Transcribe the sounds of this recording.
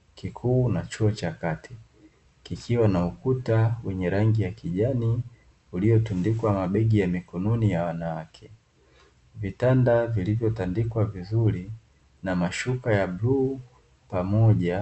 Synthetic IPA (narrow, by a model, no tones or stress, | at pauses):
kikʰuːnat͡ʃuɔt͡ʃakati̥ | kikʰiwanaukutawɛɲɛɾaŋɡijakiʄani | ulijɔtundikwamaɓɛɡijamikɔnɔnijawanawakʰɛ | vitandavilivjɔtandikwavizuɾi | namaʃukajabluː | pamɔʄa